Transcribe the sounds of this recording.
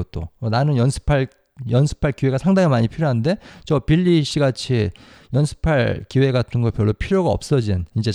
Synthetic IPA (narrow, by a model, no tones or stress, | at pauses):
ʌt̚t͈o̰ʌnanɯnjʌnsʰɯ̥pʰaɭ | jʌnsʰɯ̥pʰaɭkiwe̞ɡasʰaŋdaŋemaɲipʰiɾjoɦande̞t͡ɕʌpiʎːiɕ͈ʰiɡat͡ɕʰi | jʌnsʰɯ̥pʰaɭkiwe̞ɡatʰɯnɡʌpjʌɭːopʰiɾjoɡaʌ̰p̚s͈ʌd͡ʑinind͡ʑe̞